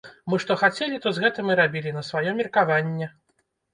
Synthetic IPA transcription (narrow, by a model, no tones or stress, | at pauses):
mɨʂt̪ɔxat͡sʲɛlʲit̪ɔzɣɛt̪ɨmɨɾabʲilʲinɐsvajɔmʲirkavanʲːɛ